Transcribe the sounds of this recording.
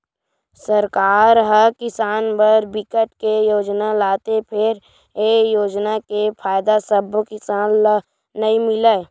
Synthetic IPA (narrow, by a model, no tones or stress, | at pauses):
səɾkaːɾɦəkɪsaːnbəɾbɪkəʈkejoːd͡ʒnalaːt̪epʰɪɾ | ejoːd͡ʒnakepʰaːjd̪asəbʱkɪsaːnlː | əimɪle